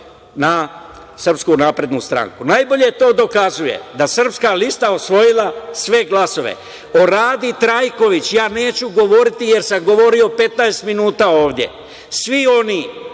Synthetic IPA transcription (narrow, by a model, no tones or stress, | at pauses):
na | sər̩pskunaːpɾe̞d̪nust̪ɾa̰ŋkunajbo̞ʎe̞t̪o̞ːd̪o̞kazuje̞̰d̪asr̩pskalist̪aosʋo̞jilˠasʋe̞ɡlˠaso̞ʋḛ | o̞ɾaːd̪it̪ɾajko̞ʋit͡ɕjaːne̞ːt͡ɕuɡo̞ʋo̞ɾit̪ije̞ɾsamɡo̞ʋo̞ɾio̞pe̞t̪naest̪minuːt̪ao̞ːʋd̪je̞̰ | sʋio̞ni